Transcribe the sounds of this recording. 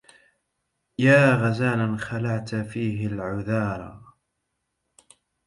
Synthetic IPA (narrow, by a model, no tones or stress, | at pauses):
jaːɣazaːlanxalaʕt̪fiːɦɪlʕʊðɑːɾˤɑ̰